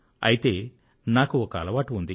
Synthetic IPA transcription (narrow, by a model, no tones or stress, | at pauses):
ɐ̰jit̪e̞ː | naːkuɔkɐɐ̰lɐʋaːʈuund̪i